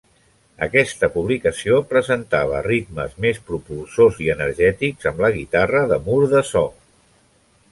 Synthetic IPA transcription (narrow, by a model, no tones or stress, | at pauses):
ə̰kɛst̪əpuβ̞likəsiopɾəzənt̪aβ̞ə̰rit̪məzmespɾupulˠsoziənəɾʒɛt̪ikz̥əmləɣit̪arəðəmuɾðəsɔ